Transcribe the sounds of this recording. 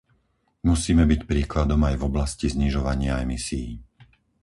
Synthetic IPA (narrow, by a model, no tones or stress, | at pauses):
musiːmɛbicpɾiːklad̪ɔmajvɔblascizɲiʒɔʋaɲɪaɛmisiji